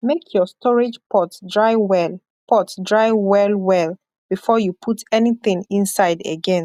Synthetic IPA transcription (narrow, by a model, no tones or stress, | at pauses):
mekʰjɔstʰɔɹɪd͡ʒpʰɔtdɹaɪwɛl | pʰɔtdɹaɪwɛlwɛl | b̥ifɔjupʰutʰɛniθĩŋĩnsaɪdə̰ɡɛ̃n